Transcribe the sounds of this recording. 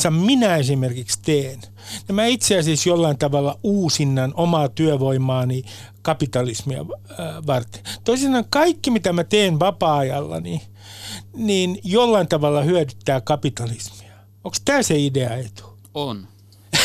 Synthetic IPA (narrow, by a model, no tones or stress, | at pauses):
sɑmminæesimerkikst̪eːn | nemæit̪seɑsisjolːɑint̪ɑʋɑlːɑuːsinːɑnomɑːt̪yœʋoimɑːni | kɑpit̪ɑlismiɑ̰ | ʋɑrt̪e̥t̪oiseɑɑŋkɑikːimit̪æmæt̪eːnʋɑpɑːɑjɑlːɑ̰ni | niːnjolːɑint̪ɑʋɑlːɑhyædyt̪ːæːkɑpit̪ɑlismi̥ɑ | oŋkst̪æːseideɑet̪u̥ | on